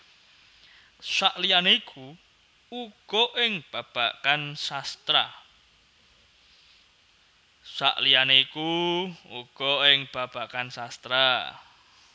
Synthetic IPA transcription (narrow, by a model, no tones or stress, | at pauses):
saʔlianeikʰu | uɡ̥ɔʔɪŋb̥a̤b̥a̤kansast̪ɾa | sa̰ʔlijaneikuuɡ̥ɔɪŋb̥a̤b̥a̤kansast̪ɾa